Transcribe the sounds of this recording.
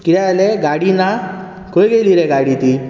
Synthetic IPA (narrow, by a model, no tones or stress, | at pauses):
kiɾalɛɡaɽina | kojɡeliɾeɡaɽit̪i